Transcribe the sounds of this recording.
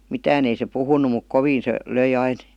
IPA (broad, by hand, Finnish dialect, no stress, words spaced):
mitæːn ei se puhunu muk koʋiːn se løi ɑin